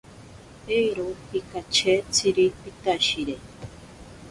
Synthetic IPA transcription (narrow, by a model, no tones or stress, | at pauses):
eɾohikat͡ʃʰet͡sʰiɾipit̪aʃiɾe